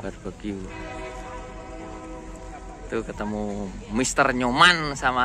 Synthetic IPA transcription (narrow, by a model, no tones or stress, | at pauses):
batpakiu | t̪ukət̪əmumist̪ərɲomansama